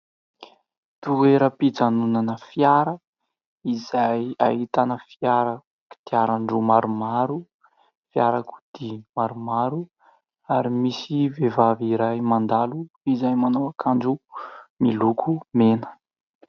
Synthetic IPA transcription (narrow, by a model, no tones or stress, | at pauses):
t̪ueɾəpid͡zanunanəfjaɾə | izajait̪anəfiaɾa | ku̥d̪̥iaɾaɳɖ͡ʐumaɾumaɾu | fiaɾaku̥d̪̥imaɾumaɾu | aɾimisivevaviɾajmand̪alu | izajmanowakʰaɳɖ͡ʐumilukʰumenə̥